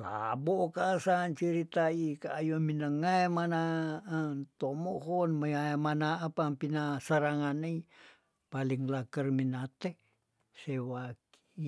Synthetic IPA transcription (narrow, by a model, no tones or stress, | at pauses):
la̰bokaːsant͡ʃiɾit̪aikaːjominəŋajmana | t̪omoɦonməamanaːpampinasəɾaŋanai | paliŋlakərminat̪e | sewaki̥